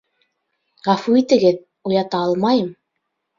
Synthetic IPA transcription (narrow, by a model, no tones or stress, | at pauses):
ʁæfuit̪ɘ̆ɡɘð | ujɑt̪ɑɑlˠmɑjɤm